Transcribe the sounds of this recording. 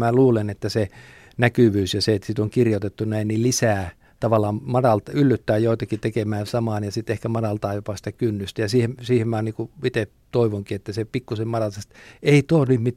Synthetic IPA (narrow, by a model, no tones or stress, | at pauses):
mæluːlenet̪ːæse | nækyʋyːsjɑseet̪sit̪oŋkirjot̪et̪ːunæinnilisæː | t̪ɑʋɑlːˑɑːmmɑdɑlt̪ɑylːyt̪ːæːjjoˑit̪ɑkit̪ekemæːnsɑmɑːnjɑsit̪ehkæmɑdɑlt̪ɑːjopɑsi̥t̪ækynːyst̪æjɑsiːhemsiːhemmæːniːkuit̪e | t̪oiʋoŋkiet̪ːæsepikːusemmɑdɑlt̪ɑst̪eit̪onnyːtmit̪